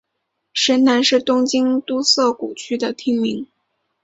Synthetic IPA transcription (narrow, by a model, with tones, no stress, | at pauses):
ʂə˧˥nna˧˥nʂɻ̩˥˩t̪ʊ˥ŋt͡ɕi˥ŋt̪u˥sɤ˥˩ku˨˩t͡ɕʰy˥d̪ə˨t̪ʰi˥ŋmi˧˥ŋ